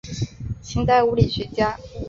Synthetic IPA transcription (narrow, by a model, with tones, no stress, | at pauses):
ɕʰi˥nt̪a˥˩ɪu˧˥li˨˩ɕɥɛ˧˥t͡ɕja˥